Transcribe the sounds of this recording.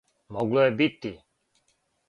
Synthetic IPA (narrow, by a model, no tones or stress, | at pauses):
mɔɡlɔɛbit̪ːi